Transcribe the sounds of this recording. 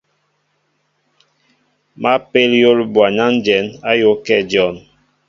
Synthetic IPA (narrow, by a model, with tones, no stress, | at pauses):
ma˦pe˦ljo˦lbwa˨ɲa˦n˦d͡ʒɛ˨˦na˦jo˦kɛ˦˨d͡ʒɔ˦˨n